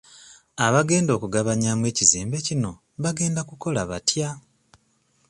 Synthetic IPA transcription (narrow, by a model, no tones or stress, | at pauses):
aβaɡe̞ːndo̞ːkuɡaβaɲaːmwe̞ːcizeːmbe̞cino̞ | βaɡe̞ːndakuko̞laβatja